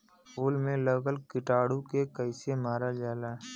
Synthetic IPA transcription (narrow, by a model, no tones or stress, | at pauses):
puːlmẽləɡəlkɪʈaːɽũkekəɪsemaːɾad͡ʒaːlaː